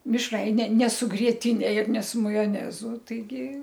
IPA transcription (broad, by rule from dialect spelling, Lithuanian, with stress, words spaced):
mʲɪʃˈrɐɪnʲɛ nʲɛ sʊ ɡrʲiɛtʲɪˈnʲɛ ɪr nʲɛ sʊ mɐjoːˈnʲæːzʊ tɐɪˈɡʲɪ